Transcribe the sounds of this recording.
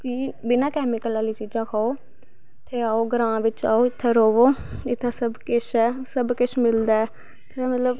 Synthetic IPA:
kiːbɪnãːkɛːmɪkəlaːliːt͡ʃiːd͡ʒãːkʰaːoː | t̪ʰeːaːoːɡəɾãːʋɪt͡ʃa̰ːoːɪt̪ʰːeːɾoːʋoːɪt̪ʰːaːsəbkɪt͡ʃʰɛːsəbkɪt͡ʃʰmɪld̪aːɛː | t̪ʰemət̪ləb

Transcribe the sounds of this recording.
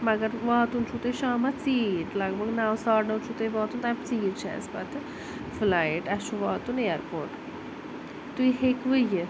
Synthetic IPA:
mɐɡɐɾʋaːt̪unt͡ʃʰut̪eʃaːmɐt͡siːʈlɐɡbʱɐɡnaːwsaːɾnɐt͡ʃʰut̪eʋaːt̪unt̪amt͡siːʈt͡ʃʰɛ̰̃ːspɐt̪ | flaːiʈɐʃuʋaːt̪uneɾpoːɾʈ | t̪uiɦekʋɨjə

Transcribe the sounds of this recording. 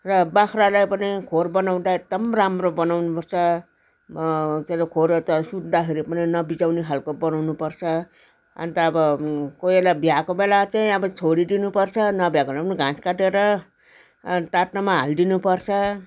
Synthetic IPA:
rʌbakʰɾalajpʌnikʰorbʌnawd̪aek̚d̪ʌmramrobʌnawnupʌrt͡sʰʌ | teɾokʰoɾt̪ʌsud̪ːakʰiɾepʌninʌbid͡zawneɦʰalkobʌnawnupʌrt͡sʰʌ | ʌ̰nt̪ʌːbʌkojbelabjakobelat͡saĩʌbʌt͡sʰoɽid̪inupʌrt͡sʰʌnʌbjakolapʌniɡʱãskaʈeɾʌ | ʈaʈnamaɦa̰ld̪inupʌrt͡sʰʌ

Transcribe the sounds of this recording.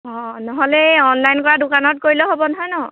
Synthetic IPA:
ɔ̃nɔɦɔlɛɔnlajnkɔɹadʊkanɔt̚koɹilɔɦobɔnɔɦɔjnɔ

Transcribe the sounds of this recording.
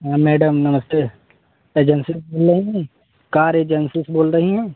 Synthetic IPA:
amɛːɖəmnɐməst̪eː | eːd͡ʒənsɪsboːlɾəɦiɦɛ̃ː | kaːɾeːd͡ʒənsɪsboːlɾəɦiɦɛ̃ː

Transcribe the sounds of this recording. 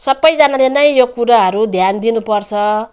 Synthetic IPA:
sʌbːʌjd͡zanalenʌj̃jokuɾaɦʌɾud̪ʱjand̪inupʌrt͡sʰʌ

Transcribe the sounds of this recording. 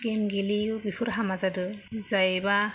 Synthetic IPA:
ɡemɡiliubipʰɯɾɦamazadɯzajba

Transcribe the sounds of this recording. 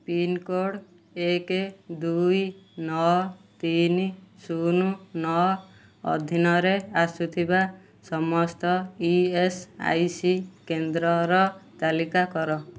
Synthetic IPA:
pinkoɽ | eked̪ujnɔt̪inisununɔ | ɔ̰d̪ʱinɔɾeasut̪ʰiba | sɔmɔst̪ɔiesa̰jsikend̪ɾɔɾɔt̪alikakɔɾɔ

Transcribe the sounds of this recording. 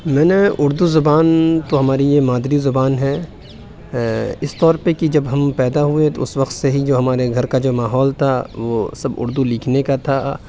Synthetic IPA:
mɛ̃ːneʊɾd̪uzʊbaːnt̪oɦɐmaːɾijemaːd̪ɾizʊbaːnɦɛ | ɪst̪ɔːɾpekid͡ʒɐbɦɐmpɛːd̪aɦuet̪oʊsʋɐqt̪seɦid͡ʒoːɦɐmaːɾeɡʱɐɾkad͡ʒoːmaːɦɔːlt̪ʰaʋoːsɐbʊ̰ɾd̪uliːkʰnekat̪ʰa

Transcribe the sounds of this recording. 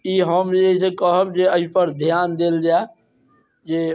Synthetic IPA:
iːɦəməɦisekəɦəbd͡ʒeəipəɾd̪ʱijaːnd̪eld͡ʒa | d͡ʒeː

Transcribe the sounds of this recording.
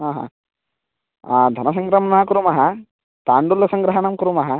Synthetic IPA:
ɦaːɦã̰ː | d̪ʱɐnɐs̬ɐŋɡɾɐmɐɳaːkuɾumɐɦɐ | t̪aːɳɖulɐsɐŋɡɾɐɦɐɳɐmkuɾumɐɦɐ

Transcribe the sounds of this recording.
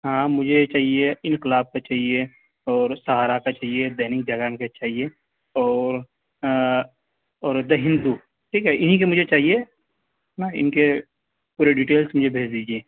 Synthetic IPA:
ɦãmʊd͡ʒʱet͡ʃaːɦieɪ̃nkɪlaːb̚kat͡ʃaːɦie | ɔːɾsɐɦaːɾakat͡ʃaːɦijed̪ɛɦnɪk̚d͡ʒɐɡaːnket͡ʃaːɦie | ɔːɾ | ɔːɾd̪ɐɦɪ̃nd̪u | ʈʰiːkɦɛɪnĩk̬emʊd͡ʒʱet͡ʃaːɦie | ɦãɪ̰nke | puːɾeɖiʈeːlsmʊd͡ʒʱebʱeːd͡ʒd̪iːd͡ʒiẽː

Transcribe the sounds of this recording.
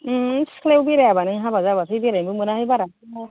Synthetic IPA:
sklewbiɾejabanɯŋɦabazabasijbiɾabumɯnaɦibaɾa | a

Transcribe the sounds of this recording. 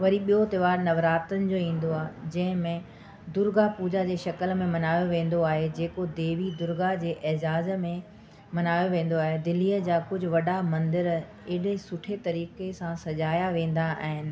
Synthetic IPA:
ʋɐɾiɓijot̪ɪʋaːɾnɐʋɾaːt̪ənɪ̆d͡ʑoːĩːn̆d̪oaːɦd͡ʑɐ̃ɦɪ̃mẽ | d̪ʊɾɡapuːd͡ʑad͡ʑeːʃɐkəlmẽmɐnaːjoʋẽːn̆d̪oaːɦed͡ʑeːkod̪eːʋid̪ʊɾɡad͡ʑeːʔɪɦd͡ʑaːzmẽ | mɐnaːjoʋẽːn̆d̪oaːɦed̪ɪliːəd͡ʑaːkʊd͡ʑʱʊ̆ʋɐɗamɐ̃nd̪ɪɾ | ɪɗesʊʈʰet̪ɐɾiːkesãsɐd͡ʑaːjaʋẽːn̆d̪aaɦɪnɪ̆

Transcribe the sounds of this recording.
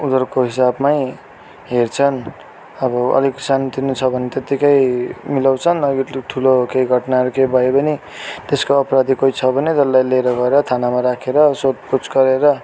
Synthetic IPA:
ud̪ʌrkoɦisabmaj | ɦert͡sʰʌn | ʌbʌʌ̰liksant̪inut͡sʰʌbʱʌnet̪et̪ːikajmilawt͡sʰʌnʌɡiʈʰulokejɡʱʌʈnaɦʌɾukejbʱʌjebʌni | t̪eskoʌpɾad̪ikoit͡sʰʌbʱʌned͡zʌlːajleɾʌɡʌeɾʌt̪ʰanamaɾakʰeɾʌsod̪̚put͡sɡʌɾeɾʌ

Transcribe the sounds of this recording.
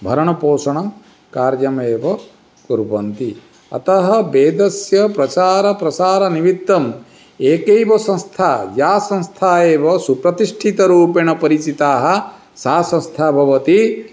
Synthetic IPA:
bʱɐɾɐɳɐpoːsɐɳɐm | kaːɾjɐmeːʋɐ | kuɾbɐnt̪i | ɐ̰t̪ɐɦɐ̆beːd̪ɐsjɐpɾɐt͡ʃaːɾɐpɾɐt͡ʃaːɾɐniʋid̪ːɐm | eːkejʋɐsɐ̃nst̪ʰaːjaːsɐ̃nst̪ʰaːeːʋɐsupɾɐt̪iʂʈʰit̪ɐɾuːpeɳɐpɐɾit͡ʃit̪aːɦɐ̆ | saːsɐ̃nst̪ʰaːbʱɐʋɐt̪i

